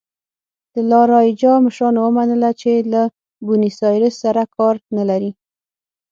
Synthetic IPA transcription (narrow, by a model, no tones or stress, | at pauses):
d̪̥əlɑɾɑjd͡ʒɑmɪʃɾɑnowəmanəlat͡ʃela | bunisɑjɾɪsːaɾakɑɾnalaɾi